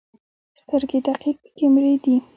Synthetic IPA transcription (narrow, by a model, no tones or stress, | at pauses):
st̪əɾɡed̪aqiqkemɾed̪i